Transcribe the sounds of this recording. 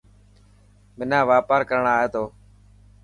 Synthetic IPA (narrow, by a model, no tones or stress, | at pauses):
mɪnãːʋaːpaːɾkəɾɳaːɦeːt̪oː